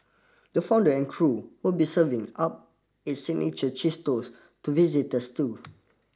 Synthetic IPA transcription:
dəfãw̃ndəɛ̃nkʰɹuwilbisəvĩŋap̚ | itsiɡ̚nḭt͡ʃət͡ʃistos | tuvizit̚dəstu

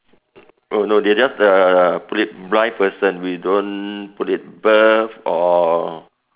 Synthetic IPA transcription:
ʔonodɛd͡ʒasəpulit̚blajpəsə̃nwidõnputit̚bəfɔ

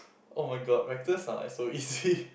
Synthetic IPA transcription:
ʔoʊmaɪɡɑd̚mek̚d̪ɪsãna̰ɪsoʊiːzi

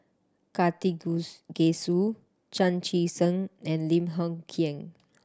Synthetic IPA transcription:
kat̪iɡesu | t͡ʃãnt͡ʃisə̃nɛ̃nlĩmɦɔ̃ŋkʰĩŋ

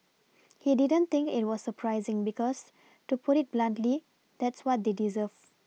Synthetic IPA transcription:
hididə̃nt̪ĩŋkḭt̚wɔsːəpʰɾajzĩŋbikɔs | tupʰuɾit̚blãntli | d̪ɛtswɔt̚d̪edizəv

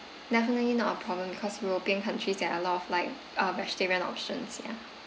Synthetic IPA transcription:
dɛfənəlinɔtəpʰɹ̥ɔblə̃mbikʰɔswlˠbɛ̃nkʰə̃ntʰɹ̥izɛʔəlɔtɔvlaɪk | ʌɹɛstɛɹiə̃nɔ̰pʃə̃nsjɛ̰

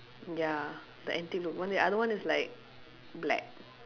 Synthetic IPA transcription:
ja | dəʔɛ̃ntik̚lukwãndiʔadəwãnislaɪk̚ | blɛ̰k̚

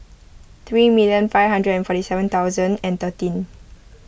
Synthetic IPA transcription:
t̪ɹimiljə̃nfaɪjvhãndɹədɛ̃nfɔtisɛvə̃nt̪awzə̃ndɛ̃nt̪ətĩn

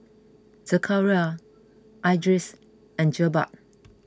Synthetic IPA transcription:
səkʰaɹia | ʔajdɹis | ɛ̃nd͡ʒəba̰ʔ̚

